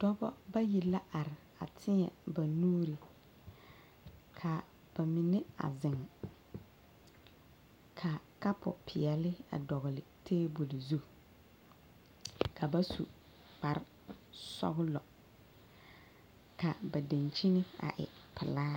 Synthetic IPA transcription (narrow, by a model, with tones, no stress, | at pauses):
d̥ɔ˦bɔ˦ba˦ji˨la˦ʔa˨ɾɪ˨ | a˨tʰɪ˦ɲɛ̰˨ba˨nuː˦ɾi˨ | kʰa˨ | b̥a˨mi˨nɪ˦a̰˨zɪ˨ŋ˨ | kʰa˨ka˦pʊ̰˨pʰɪ˨ɛ˨lɪ˦a̰˨dɔ˨ɣʊ˨lɪ˨tʰeː˦bu˨lɪ˨zu˦ | kʰa˨ba˦sṵ˨ | k͡pa˨ɾɪ˦ | sɔ̰˦ɣʊ˦lɔ˨ | ka˨ba˨de˨nt͡ʃi˦nɪ˦a̰˨ʔɪ̰˨pʰɪ˨laː˦